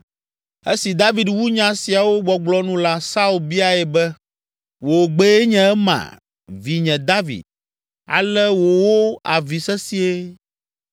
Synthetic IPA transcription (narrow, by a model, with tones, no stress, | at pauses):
e˦si˨d̪a˦vi˨d̪wu˦ɲã˨si˨a˨wo˦ɡ͡bɔ˨ɡ͡blɔ˦nũ˦la˦sa˦u˨lbi˦a˨ɛ˨bɛ˦ | wo˨ɡ͡be˦e˦ɲɛ̃˨˦ɛ˦mã̰˨ | vi˨ɲɛ̃˨d̪a˦vḭ˨d̪̚ | a̰˨lɛ˦wo˨wo˦a̰˨vi˨sɛ˦si˦e˦